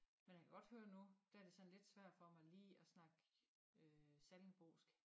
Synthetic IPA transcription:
menjakʰæɡ̥ɒ̽d̥høːɐnud̥æɐd̥e̝sɒ̽nle̝d̥sʋæɐ̰d̥fɒ̽mɑ̈ɪliːɒsnɑ̈ɡ̥ | øsæln̩b̥o̝̰ːsɡ̥

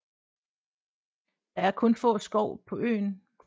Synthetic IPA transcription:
d̥ɑ̈æɐkʰɔ̽nfɔ̰̽ːsɡ̥ɒʊ̰pʰɒ̽ø̰ːn

